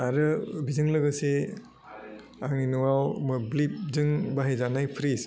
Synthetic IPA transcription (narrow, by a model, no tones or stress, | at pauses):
aɾɯbizɯŋlɯɡɯse | aŋninuŋawmɯblip̚zɯŋbaɦejzanajpʰɾis